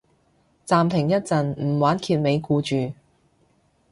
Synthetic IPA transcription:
t͡saː˨mt̪ʰɪ˨˩ŋjɐ˥t̚t͡sɐ˨nm̩˨˩waː˨˥nkʰiː˧t̚me˨˧jkuː˧t͡ʃyː˨

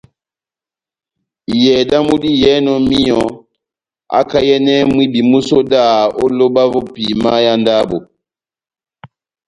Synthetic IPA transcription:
i˨jɛ˨da˦mu˦ɗi˦jɛ˦nɔ˨mi˦jɔ˨ | a̰˦ka˦jɛ˦nɛ˦mwi˦bi˨mu˦so˦da˦˨o˦lo˦ɓa˦vɔ˦pi˨ma˦ja˦nda˦bo˨

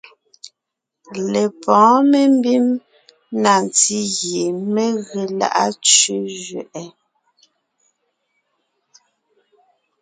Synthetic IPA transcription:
le˨pɔ̃ː˨˦me˦m˦bi˦m | na˨n˨ti˦ɣje˨me˦ɣe˨la̰˦ʔa˦t͡ʃe˦ʒɥɛ˨ʔɛ˦

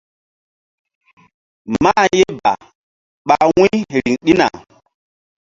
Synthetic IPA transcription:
ma˦je˦ba̰˨ | ɓa˨wũ˦ɾi˨ŋɗi˦na̰˨

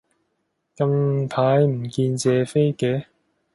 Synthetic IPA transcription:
kɐ˧mpʰaː˨˥jm̩˨˩kiː˧nt͡sɛː˨fe˥jkɛː˨˥

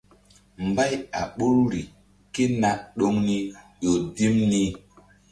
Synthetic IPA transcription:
mba˦ja̰˨ɓu˦ɾɾi˨ | ki˦na˦ʔɗo˦ŋni˦ | jo˨di˦mni˦

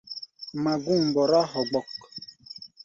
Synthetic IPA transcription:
ma˨ɡu˦˨ŋ˨bɔ˨ɾa˦hɔ˨ɡ͡bɔ˨k

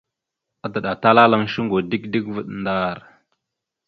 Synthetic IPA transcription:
a˦da˨ɗa˨ta˦la˦la˦˨ŋʃi˦ŋɡo˨di˦kdi˦kvə˨ɗnda˦˨ɾ

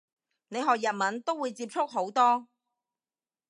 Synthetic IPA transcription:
ne˨˧jɦɔː˨k̚jɐ˨t̚mɐ˨˥nt̪o˥wːuː˨˧jt͡siː˧p̚t͡ʃʰʊ˥k̚ɦo˨˥wt̪ɔː˥

